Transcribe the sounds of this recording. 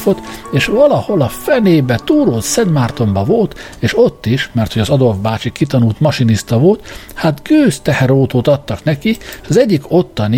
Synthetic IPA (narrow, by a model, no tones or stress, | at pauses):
fo̞t̪eːʃvɒlɒho̞lɒfɛneːbɛt̪uːɾoːt̪sɛd̪maːrt̪o̞mbɒvo̞lt̪ | eːʃo̞t̪ːiʃmɛrt̪ho̞ɟɒzɒd̪o̞lvbaːt͡ʃikit̪ɒnult̪mɒʃinist̪ɒvo̞lt̪hat̪ɡøːst̪ɛhɛɾoːt̪oːt̪ɒt̪ːɒknɛkiʃɒzɛɟːiko̞t̪ːɒni